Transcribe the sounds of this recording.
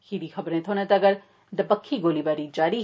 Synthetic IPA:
kiɾixɐbɾẽt̪ʰoːnãt̪ɐɐɡəɾ | d̪ɐbəkʰːiɡoːlibaːɾid͡ʒaːɾi

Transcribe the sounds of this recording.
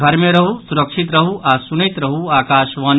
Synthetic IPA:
ɡʱɐɾmeɾɐɦusuɾɐkʂit̪ɾɐɦuʔaːsunit̪ɾɐɦuaːkaːʃʋɐːn

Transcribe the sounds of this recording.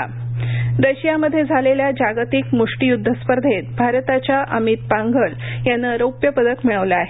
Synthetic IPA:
d̪əɕijaməd̪ʱːjed͡zʱaleljad͡ʑaɡt̪ikmuʂʈijud̪ʱːəspəɾd̪ʱet̪̚bʱaɾt̪at͡ɕjaʔəmit̪̚pãŋɡʱəljanːəɾəwpjəpəd̪əkmiɭəʋlaːɦe

